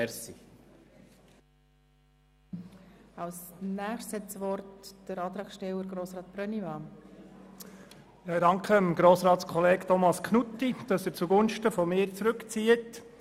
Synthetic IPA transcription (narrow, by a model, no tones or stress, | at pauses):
ɛsi | ɑwsnæːχtshɛtsʋɔrtd̥əɾɑːt̪ɾɑːkʃtɛwəɾɡɾoːsɾɑːt̪̚b̥ɾœnivɑː | dɑŋkʰəəmɡ̥ɾoːsɾɑːtskχɔleːɡtʰɔmɑskʰnutːid̥ɑsɛɾt͡suɡʊnʃtəfɔmɪːɾt͡sɾɵkt͡siːət